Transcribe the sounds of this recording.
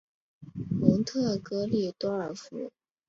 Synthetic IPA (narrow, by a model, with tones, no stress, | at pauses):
lʊ˧˥ŋt̪ʰɤ˥˩kɤ˥li˥˩t̪wɔ˥ə˞˨˩fṵ˧˥